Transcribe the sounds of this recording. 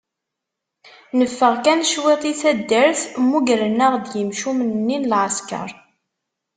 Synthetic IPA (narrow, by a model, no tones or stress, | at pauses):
nəfːəʁkænʃwɪt̪ˤiθæd̪ːəɾθmːuʝɾənːəʁd̪jəmʃumənːinlʕaskə̰ɾˤ